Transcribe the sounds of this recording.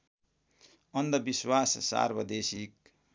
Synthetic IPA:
ʌnd̪ʌbiswassa̰rbʌd̪esik

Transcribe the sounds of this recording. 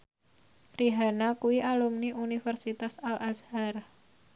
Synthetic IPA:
riɦanakuiʔalumniʔunifərsit̪asalashar

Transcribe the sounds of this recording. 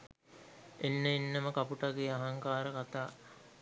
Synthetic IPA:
enːəinːəməkapuʈaɡeaɦaŋkaːɾəkat̪aː

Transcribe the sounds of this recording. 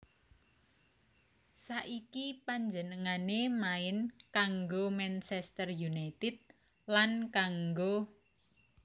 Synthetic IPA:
saʔikipaɲd͡ʒənəŋanemaɪnkaŋɡomɛnt͡ʃɛst̪ərjunajt̪ɪt̪̚ | lankaŋɡo

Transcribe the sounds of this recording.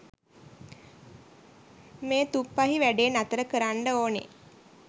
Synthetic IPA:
meːt̪upːaɦiʋæɖeːnat̪əɾəkəɾaɳɖəoːnḛ

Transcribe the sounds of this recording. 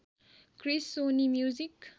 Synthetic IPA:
krisːonimjuzik

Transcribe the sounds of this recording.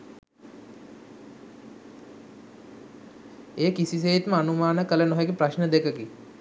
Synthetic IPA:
eːkisis̬eːt̪məanumaːnəkələnoɦeɡepraʃnəd̪ekəki

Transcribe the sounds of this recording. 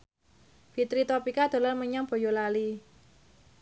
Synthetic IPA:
fit̪ɾit̪ɔpikad̪̥o̤larməɲamb̥o̤jolali

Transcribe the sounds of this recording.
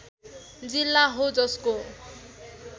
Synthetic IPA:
d͡zilːaɦod͡ʒɔsko

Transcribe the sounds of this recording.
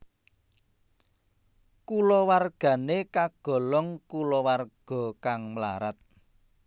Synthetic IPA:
kulɔwarɡ̥ä̤nekaɡ̥ɔ̤lɔŋkulɔwarɡ̥ɔ̤kaŋmla̰ɾat̪̚

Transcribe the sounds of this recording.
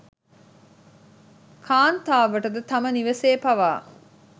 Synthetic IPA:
kʰaːnt̪aːʋɐʈəd̪ət̪ɐməniʋɐseːpɐʋaː

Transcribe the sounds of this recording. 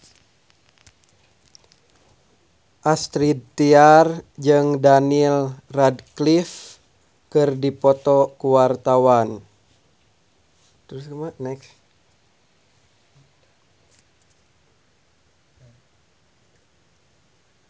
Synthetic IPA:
ʔast̪ɾid̪̚t̪iard͡ʒɨŋdanilradklif | kɨrdipɔt̪ɔkuwart̪awan | t̪ɾuskəmanɛks

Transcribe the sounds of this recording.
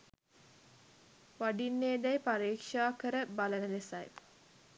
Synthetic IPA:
ʋaɖinːeːd̪æjpaɾiːkʂaːkəɾəbalənəlesaj

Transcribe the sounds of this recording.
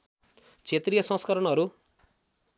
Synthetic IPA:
t͡sʰet̪rijʌsʌ̃skʌɾʌnɦʌɾu

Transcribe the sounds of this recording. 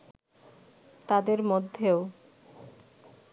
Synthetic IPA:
t̪ad̪eɾmod̪ʱːeo

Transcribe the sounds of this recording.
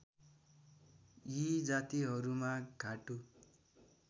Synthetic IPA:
jid͡zat̪iɦʌɾumaɡʱaʈu

